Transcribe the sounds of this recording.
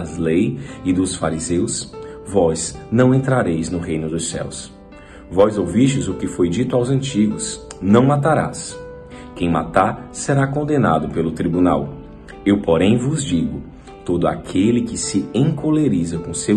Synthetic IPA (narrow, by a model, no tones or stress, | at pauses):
alejɪd̪ʊsfaɾizewsvɔznɐ̃w̃ẽnt̪ɾaɾejznʊɦejnʊd̪ʊsɛ̰ws | vɔzowviʃɪzʊkɪfojd͡ʒit̪ʊawzɐ̃nt͡ʃiɡʊsnɐ̃w̃mat̪aɾa̰s | kẽj̃ma̰t̪aseɾakõnd̪ena̰d̪ʊpelʊt̪ɾibunaw | ewpoɾẽj̃vʊzd͡ʒiɡʊ | t̪od̪ʊa̰kʰelɪkɪsɪẽŋkoleɾizɐkõse